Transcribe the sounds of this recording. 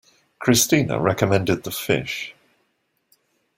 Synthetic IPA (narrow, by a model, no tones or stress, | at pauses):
kʰɹ̥ɪstiːnə̰ɹɛkəmɛ̃ndɪd̪̚ðəfɪ̰ʃ